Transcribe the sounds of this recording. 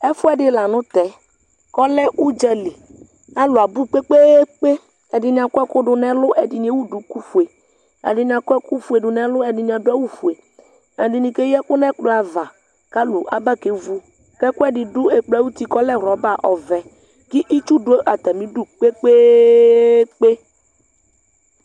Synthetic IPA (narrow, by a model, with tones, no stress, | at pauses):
ɛ˦fʊ˦ɛ˨ɖɪ˦la˨nʊ̃˦t̪ɛ˨ | kɔ˦lɛ˦u˦d͡ʒɛ˨li˨ | a˦lʊ˨a˨bu˦k͡pe˦k͡pe˦k͡pe˦ | ɛ˨dɪ˨ɲ˨ã˨kʊ˦ɛ˦kʊ˦ɖʊ˦nɛ̃˦lʊ˦ʔɛ˨dɪ˨nĩ˨˦e˦wu˦du˨ku˦fu˨e˨ | ɛ̰˨dɪ˨ɲ˦˨a˨kʊ˦ɛ˦ku˦fu˨˦e˨dʊ˨nɛ̃˦lʊ˦ɛ˨dɪ˨ɲ˨ã˨dʊ˦a˦wu˦fu˨e˨ | ɛ˨di˨nĩ˨ke˦jɛ˦kʊ˦nɛ˦k͡pla˨va˨ | ka˦lʊ˨ʔa˨ba˦˨ke˨˦vu˦ | kɛ˦kʊ˦ɛ˦dɪ˨dʊ˦ɛ˨k͡pla˨˦wu˦t̪i˦kɔ˦lɛ˦˨ɾɔ˨˦ba˦˨ʔɔ˨vɛ˨ | kɪ˦ʔi˦t͡ʃu˦dʊ˦e˦ʔa˨t̪a˨mĩ˦du˦k͡pe˦k͡pe˦ | k͡pe˦